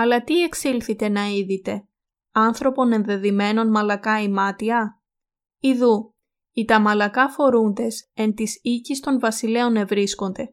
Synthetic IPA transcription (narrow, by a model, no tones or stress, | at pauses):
ɐlɐt̪ie̞ksilθit̪e̞nɐiðit̪e̞ | ɐnθɾo̞po̞ne̞nðe̞ðime̞no̞nmɐlɐkɐimɐt̪iɐ | iðu | it̪ɐmɐlɐkɐfo̞ɾund̪e̞se̞nt̪isicist̪o̞nvɐsile̞o̞ne̞vɾisko̞nd̪e̞